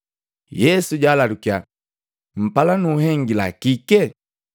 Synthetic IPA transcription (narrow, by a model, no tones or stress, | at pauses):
jɛsuɟaːlalukia | m̩palanuːɦɛŋɡila̰kikɛ